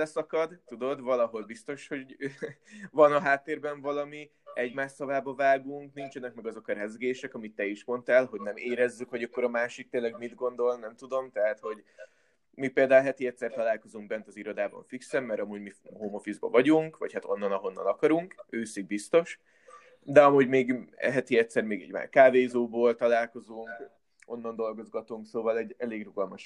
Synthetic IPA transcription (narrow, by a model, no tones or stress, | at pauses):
ɛsɒkɒd̪t̪ud̪o̞d̪vɒlɒɦo̞lbist̪o̞ʃho̞ɟ | vɒnɒɦaːt̪ːeːrbɛɱvɒlɒmi | ɛɟmaːʃsɒvaːbɒvaːɡuŋknint͡ʃɛnɛk̚mɛɡɒzo̞kɒɾɛzɡeːʃɛkɒmit̪ːɛiʃmo̞nt̪ɛlɦo̞ɟnɛmeːɾɛzːykho̞ɟɒkːo̞ɾɒmaːʃik̚t̪eːnlɛɡmid̪ɡo̞nd̪o̞lnɛmt̪ud̪o̞mt̪ɛɦat̪ho̞ɟ | mipeːld̪aːulɦɛt̪iɛt̪sɛrt̪ɒlaːlko̞zuŋɡ̚bɛnt̪ɒziɾo̞d̪aːbɒ̰ɱfiksɛmːɛɾɒmuːɟmiɦoːmo̞fizbɒ̰vɒɟuŋkʋɒ̰chat̪o̞nːɒnɒɦo̞nːɒ̰nɒkɒɾuŋkøːsiɡ̚bist̪o̞ʃ | d̪ɛɒmuːɟmeːɡɛ̰ɦɛt̪iɛt̪sɛɾmeːɡɛ̰ɟma̰ːkaːveːzoːboːlt̪ɒlaːlko̞zuŋk | o̞nːɒnd̪o̞lɡo̞zɡɒt̪uŋksoːvɒlɛɟɛleːɡruɡɒlmɒʃ